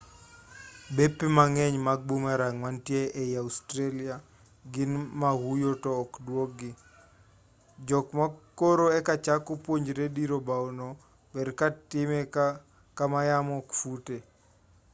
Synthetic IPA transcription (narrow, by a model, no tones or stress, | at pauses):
bepːimaŋɛɲmaɡ̚bumaɾaŋwantjeɛjaustɾelia | ɡɪnmahujotɔːkdwok̚ɡɪ | d͡ʒɔkmakoɾoɛkat͡ʃakopwoɲd͡ʒɾediɾobaɔnɔ | bɛɾkatɪmɛ | kamajamɔkfute